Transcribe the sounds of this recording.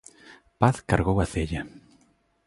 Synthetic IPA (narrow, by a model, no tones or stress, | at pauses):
paθkaɾɣowaθeʎa